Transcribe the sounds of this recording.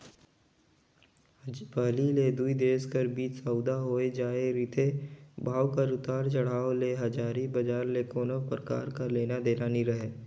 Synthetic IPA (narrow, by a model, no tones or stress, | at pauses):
pəɦliled̪uid̪eːskəɾbiːt͡ʃsəʊd̪aɦoːed͡ʒaːeɾɪt̪ʰebʱaːwkaɾʊt̪aːɾt͡ʃəɽ̤aːoleɦɐd͡ʒaːɾibəd͡ʒaːɾlekoːnəpɾəka̰ːɾkaleːnad̪eːnaːniɾəɦeː